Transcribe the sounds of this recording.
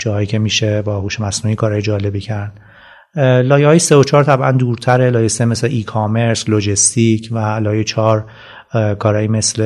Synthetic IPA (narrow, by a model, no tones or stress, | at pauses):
d͡ʒɒːɦɒːjiːcʰʲe̞miːʃebɒːhuːʃemæsnuːiːkʰɒːɾɒːjed͡ʒɒːle̞bicʰæɾd̪̥ | lɒːjehɒːjeseot͡ʃʰɒːɾt̪ʰæbʔæ̰nd̪uːɾt̪ʰæɾe̞lɒːjesemesleʔiːkʰome̞ɾslod͡ʒest̪icʰvælɒːjet͡ʃʰɒːɾ | kʰɒːɾɒːjime̞sle